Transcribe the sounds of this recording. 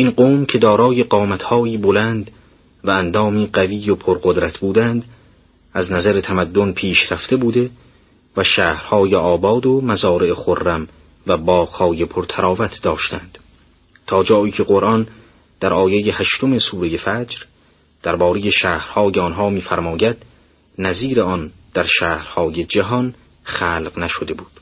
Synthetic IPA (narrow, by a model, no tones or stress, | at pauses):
ʔinɢoːmcʰe̞d̪ɒːɾɒːje̞ɢɒːmæt̪ʰhɒːiːbolænd̪ | væænd̪ɒːmiːɢæviːjopʰoɾɢod̪ɾæt̪ʰbuːd̪ænd̪ | æznæzæɾet̪ʰæmæd̪ːonpʰiːʃɾæft̪e̞buːd̪e̞ | væʃæːhɾhɒːjeʔɒːbɒːd̪omæzɒːɾeʔeχorːæm | væbɒːqhɒːjepʰoɾt̪ʰæɾɒːvæt̪ʰd̪ɒːʃt̪æ̰nd̪̥ | t̪ʰɒːd͡ʒɒːiːcʰe̞ɢoɾʔɒn | d̪̥æɾʔɒːjejehæʃt̪o̞mesuːɾejefæd͡ʒɾ | d̪̥æɾbɒːɾeje̞ʃæːhɾhɒːjeɒnɦɒːmiːfæɾmɒːjæd̪̥ | næziːɾeɒnd̪̥æɾʃæːhɾhɒːjed͡ʒæɦɒn | χæːlqnæʃod̪e̞buːd̪̥